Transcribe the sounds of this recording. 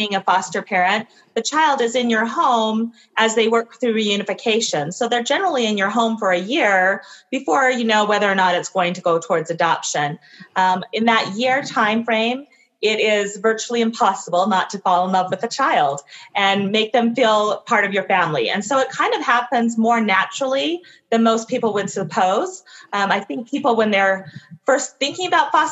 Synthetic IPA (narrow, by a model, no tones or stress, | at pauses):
iɪ̃ŋɨfɑstə˞pʰɛɹɨ̃n | ðɨt͡ʃʰaɪlˠdɨzɨ̃njə˞ɦõʊ̃m | ʔɨzðeɪwɜ˞k̚θɹʉɹijʉñɨfɨkʰeɪʃɨ̃nsoʊðə˞d͡ʒɛnə˞l̩ˠiɨ̃njə˞ɦõʊ̃ɱfə˞ɨjɪɹb̥ɨfɔɹjɨnoʊwɛðə˞ːnəɾɨtsɡ̥oʊɪ̃ŋtʰɨɡoʊtʰɔɹdzɨdɑpʃɨ̃n | ɨ̃nðɨʔ̚jɪɹtʰãɪ̃ɱfɹẽɪ̃m | ɪɾɪzvɜ˞t͡ʃul̩ˠiɨ̃mpʰɑsəbl̩ˠnətʰɨfɑlˠə̃nlʌvwɨðɨt͡ʃʰaɪlˠdʔɨ̃nmeɪk̚ðɨ̃ɱfilˠpʰɑɹɾʌvjə˞fæ̃mlḭɨ̰̃nsoʊɨt̚kʰãɪ̃ndʌv̥hæpɨ̃nzmɔɹnæt͡ʃɹl̩ˠi | ðɨ̃nmoʊspʰipl̩ˠwɨd̥sɨpʰoʊz̥maɪθɪ̃ŋk̚pʰipl̩ˠwə̃nðə˞fɜ˞stθɪ̃ŋkɪ̃ŋəbaʊtfɑ